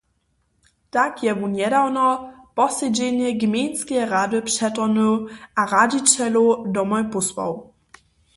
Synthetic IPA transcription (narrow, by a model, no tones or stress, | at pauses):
takjɛmuɲɛdawnɔ | pɔsɛd͡ʑɛɲɛɡmʲjɛnskʲɛjʁadɨpʂɛt̪ɔnuwʔaɾad͡ʑit͡ɕɛludɔmɔjpuswɔ̰w